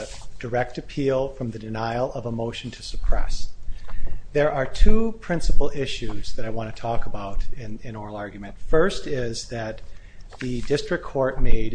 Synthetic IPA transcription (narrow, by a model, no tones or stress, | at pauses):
d̥ə˞ɛk̚tɨpʰilˠfɹʌ̃mðɨdɨnaɪlˠʌvəmoʊʃn̩tʰɨsəpʰɹ̥ɛ̰s | ðə˞ʔə˞tʰupʰɹ̥ɪ̃nsəpl̩ˠɪʃʉzðɨɾaɪwɑ̃nʰɨtʰɔkəbaʊɾɪ̃nɪ̃nɔɹl̩ˠɑɹɡjmɨ̃ntfɜ˞stɪzðɨt̪̚ | ðɨdɪstɹ̥ɨkʰːɔɹt̚meɪd